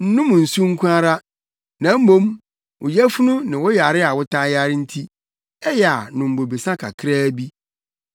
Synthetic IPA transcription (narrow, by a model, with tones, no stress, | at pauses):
n̩˦nʊ̃˦m̃˨n̩˨su˦ŋ̩˦kʷʰũ˦a˦ɾa˦ | nã˨˦m̩˦mõ˦m | wʊ˨jæ˦fu˦nʊ̃˦nɪ̃˨wɔ˦ja˨ɾɪ˦a˨wʊ˦tʰã˦ja˦ɾɪ˦n̩˦tʰi˦ | ɛ˦jɛ˨a˨nʊ̃˨m̩˨bo˨bi˨sã˦kʰa̰˨kʰɪ˦ɾaː˦bi˦